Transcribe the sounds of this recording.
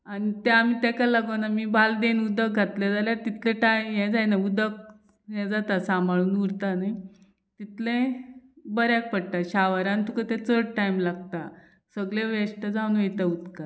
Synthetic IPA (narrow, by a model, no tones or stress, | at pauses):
anit̪eamit̪ɛkalaɡonamiːbʱald̪enud̪ək̚ɡʱat̪lad͡zaljaɾt̪it̪ʰlẽʈajjɛ̃d͡zajnaud̪ək̚ | jɛ̃d͡zat̪asamaɭuːnuɾt̪ana | t̪it̪lẽ | bəɾjak̚pəɽt̪aɕaʋəɾãnt̪ukat̪ɛ̃t͡səɽʈaimlaɡ̚t̪a | səɡleʋeʂʈəd͡zaunʋejt̪aud̪ka